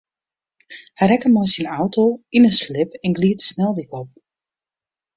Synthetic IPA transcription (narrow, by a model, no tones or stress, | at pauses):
hɛjɾɛkəmɔjsinawtowinənslɪpɛnɡliətsnɛlˠdikɔp̚